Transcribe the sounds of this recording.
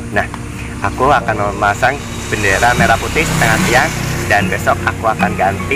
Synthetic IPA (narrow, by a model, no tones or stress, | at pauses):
nah | ʔakuakanmasaŋ | b̥əndeɾameɾaput̪ɪhsət̪əŋat̪iaŋdanbesɔkakuakanɡant̪i